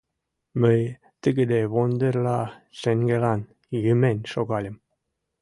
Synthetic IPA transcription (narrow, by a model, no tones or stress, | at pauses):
məj | t̪əɡə̆d̪eβond̪eɾlɑʃeŋɡelɑn | jymenʲʃoɣɑlʲə̆m